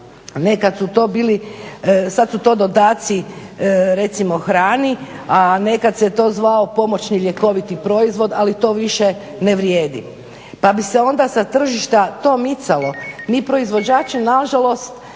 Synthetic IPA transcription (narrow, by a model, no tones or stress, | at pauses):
ne̞kad̪sut̪o̞ːbiːli | sad̪sut̪o̞ːd̪o̞d̪aːt̪si | ɾe̞t̪simo̞xɾaːni | ane̞kad̪set̪o̞ːzʋao̞po̞mo̞t͡ʃniʎje̞ko̞ʋit̪ipɾo̞izʋo̞d̪alit̪o̞ːʋiʃe | neʋɾjeːd̪ḭ | pabise̞o̞nd̪asat̪r̩ʒiʃt̪at̪o̞ːmit̪salo̞miːpɾo̞izʋo̞d͡ʑaːt͡ʃenaʒalˠo̞st̪